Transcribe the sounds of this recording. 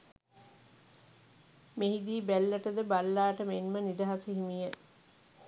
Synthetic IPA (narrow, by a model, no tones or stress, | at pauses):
meɦid̪iːbælːəʈəd̪əbalːaːʈəmenmənid̪aɦasiɦimijə